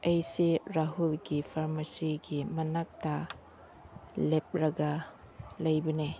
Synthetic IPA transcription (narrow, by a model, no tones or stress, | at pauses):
ejsiɾaɦulɡipʰaɾmɐsiɡimɐnak̚ta | lep̚ɾɐɡɐ | lɐjbɐne